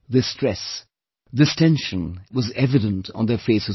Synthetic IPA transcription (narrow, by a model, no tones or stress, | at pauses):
ðɨstɹ̥ɛs | ðɨstʰɛ̃nʃɨ̃nwʌzɛvɨɾə̃ntn̩ðə˞feɪsɨ